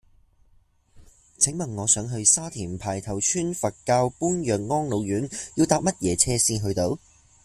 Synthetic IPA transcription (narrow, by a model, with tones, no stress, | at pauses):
t͡sʰɪ˨˥ŋmɐ˨˩ŋːɔː˨˧sœː˨˥ŋɦɵ˧ɥsaː˥t̪ʰiː˨˩npʰaː˨˩jt̪ʰɐ˨˩wt͡ʃʰyː˥nfɐ˨t̚kaː˧wpuː˥njœː˨ŋŋɔː˥ŋlo˨˧wjyː˨˥njiː˧wt̪aː˧p̚mɐ˥t̚jɛː˨˥t͡sʰɛː˥siː˧nɦɵ˧ɥt̪o˨˥w